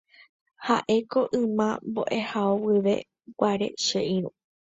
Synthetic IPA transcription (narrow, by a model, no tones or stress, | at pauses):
ha̰ʔe̞ko̞ʔɨ̃mãmbo̰ʔe̞haowɨʋe̞̰ | wʷaɾe̞̰ʃeʔĩɾũ